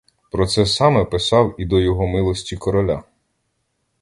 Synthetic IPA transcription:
pɾɔt̪sɛsɑmɛpɪsɑwid̪ɔjɔɦɔmɪlˠɔsʲtʲikɔɾɔlʲa̰

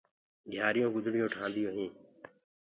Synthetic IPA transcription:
ɡʱjaːɾɪjõːkʊd̪ɽɪjõːʈʰãːnd̪ɪjõːɦĩː

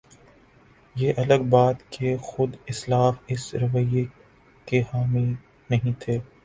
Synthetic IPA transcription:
jeːʔɐləɡbaːt̪kexʊd̪ɪslaːfɪsɾɐʋəje | kehaːmil | nɐɦĩt̪ʰeː

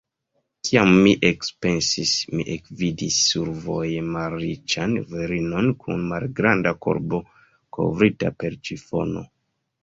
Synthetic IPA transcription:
kʰiamːiʔekspe̞nsismḭʔekvidisːuɾvo̞jmalɾit͡ʃanveɾino̞nkʰṵnmalɡɾandako̞̰ɾbo̞ | ko̞̰vɾita̰pe̞ɾt͡ʃifo̞̰no̞̰

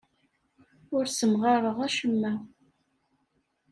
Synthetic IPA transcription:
ʊɾsəmʁɑɾˤəʁæʃəmːæ

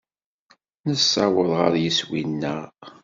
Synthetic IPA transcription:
nəsːɑwəðˤʁə̰ɾjəswinːə̰

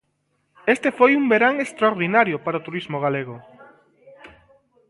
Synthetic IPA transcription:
est̪efojumbeɾaŋest̪ɾaoɾðinaɾjopaɾaot̪uɾizmoɣaleɣ̞ʊ

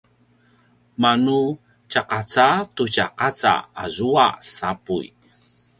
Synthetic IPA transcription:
manu | t͡ɕaqat͡satucaqat͡sa̰a̰zuasapṵj

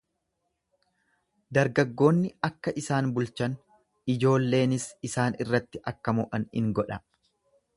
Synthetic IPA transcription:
d̪ɐɾɡɐɡːo̞ːnːɪɐkːɐʔɪsaːnbʊlt͡ʃɐn | ɪd͡ʒo̞ːlːe̞ːnɪsɪsaːnɪrːɐt̪ːɪʔɐkːɐmʊʔɐnhɪ̰ŋɡɔᶑɐ

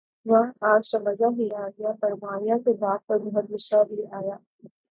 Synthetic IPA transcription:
ʋɐɦaːd͡ʒsɐmɐd͡ʒaɦiaːɡɐjapɐɾʋaːijãkebaːd̪̚pɐɾbɔɦɔt̪̚bʊʃabʱiaːjaː

